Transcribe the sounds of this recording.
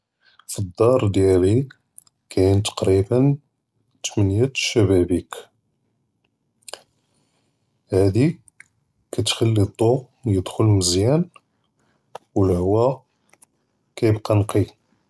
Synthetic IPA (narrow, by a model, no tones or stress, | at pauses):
fid̪ːɑɾˤd̪jæli | kʰænt̪ɑ̥qɾibən | t̪mənjæʃæbæbik | hæd̪i | kæt̪xəlːit̪ˤo | jəd̪xʊlməzjæn | wəlhwːæ | kæjəbqɑnqʰi